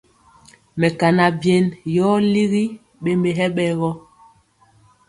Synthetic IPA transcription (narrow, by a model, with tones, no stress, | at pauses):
mɛ˨ka˨na˨bje˨njɔ˦li˦ɣi˦ | ɓe˦mbe˨ɦɛ˦ɓɛ˨ɣɔ˦